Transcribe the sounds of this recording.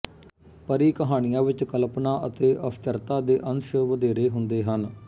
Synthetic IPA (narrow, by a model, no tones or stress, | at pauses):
pəɾiːkəɦaːnɪjãːʋɪt͡ʃkəlpnaːʔət̪eːʔəpʰt͡ʃəɾt̪aːd̪eːʔənʃəʋəd̪eːɾeːɦʊnd̪eːɦən